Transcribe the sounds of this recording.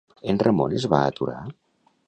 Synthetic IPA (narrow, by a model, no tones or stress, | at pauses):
enremonezβaət̪uɾa